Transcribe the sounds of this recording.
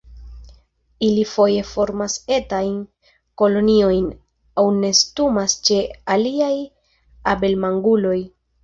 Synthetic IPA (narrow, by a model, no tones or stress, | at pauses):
ilifo̞je̞fo̞ɾmase̞tajn | ko̞lo̞nio̞jn | awne̞stumast͡ʃe̞aliaj | abe̞lmaŋɡulo̞j